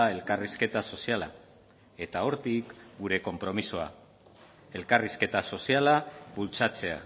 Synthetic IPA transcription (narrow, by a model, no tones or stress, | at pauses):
ae̞lkariske̞t̪aso̞siala̰ | e̞t̪ao̞ɾt̪ikɡuɾe̞ko̞mpɾo̞misoa̰ | e̞lkariske̞t̪aso̞sialaβult͡sat͡se̞a̰